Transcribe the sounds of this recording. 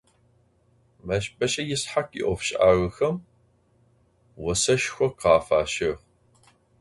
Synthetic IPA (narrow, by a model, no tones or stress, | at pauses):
mɐɕpʼɐɕʼɐjɪsħakḭʔʷɔfɕʼaːʁəxɐm | wɔsɐʃxʷɔqɑːfaːʃɪʁ